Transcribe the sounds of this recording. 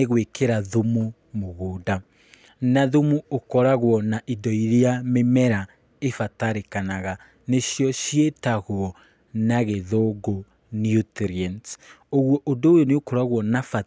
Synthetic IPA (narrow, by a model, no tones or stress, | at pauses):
eɣwekeɾaðomu | moɣoːda | naðumuokɔɾaɣwɔnaʔidɔiɾeamemɛɾa | efataɾekanaɣa | neɕjɔɕietaɣoɔ | naɣeðoɡo | njutɾiantoɣwɔʔodoːjoneokoɾaɣwɔnafa